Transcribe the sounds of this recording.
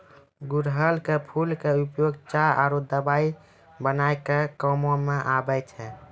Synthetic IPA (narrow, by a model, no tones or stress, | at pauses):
ɡuɾɦəlkepʰulkeupjoɡt͡ʃaʔaɾud̪əbai | bənajkekəmõmeʔabəjt͡ʃʰɛ